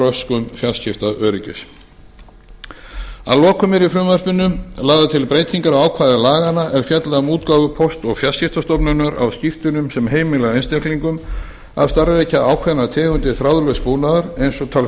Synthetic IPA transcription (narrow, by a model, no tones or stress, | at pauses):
œskʏmfjalscɪft̪aʔœːɾɪcʏ̰s | a̰lɔːkʏmɪɾifɾʏmvarpɪnːʏlaːɣðat̪ʰɪlpɾejt̪ʰiŋkaɾawaːwkʰvajðɪlaːɣanaʔɛɾ̥fjɛt̪laɣamuːt̪kavʏpʰɔst̪ɔɣfjalscɪft̪ast̪ɔpnʏnaɾa̰wscɪft̪ʏnʏmsɛmɦeːjmɪlɛɣejnst̪ekliŋkʏm | a̰vst̪aɾvejcaawkʰvaðnat̪ʰɛːɣʏnt̪ɪθɾawðlœspuːwnaðaɾejnsɔt̪ʰaːl